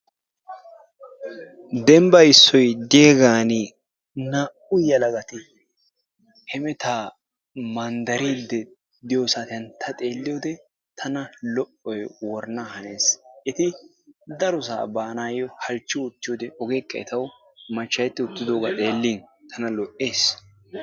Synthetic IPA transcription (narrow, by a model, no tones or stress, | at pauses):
d̪ɛmbɐɪsːɔjd̪ɪjeːɡaːnɪ | naːʔʊjɐlɐɡɐt̪ɪ | hɛmɛt̪aː | mɐnd̪ɐɾiːd̪ːɛ | d̪ɪjoːsaːt̪ɪɐnt̪ʰɐt̪ʼe̞ːlːɪjoːd̪ɛ | t̪ʰɐnɐlɔʔɔjwɔɾnahɐne̞ːsɪt̪ɪ | d̪ɐɾɔs̬a̰ːbaːnaːjɔhɐlt͡ʃːɪʊt̪ːɪjoːd̪ɛʔɔɡeːkʼːɐɛt̪ɐw | mɐt͡ʃːɐjɛt̪ːɪʊt̪ːɪd̪oːɡat̪ʼe̞ːlːint̪ʰɐnɐlɔʔeːs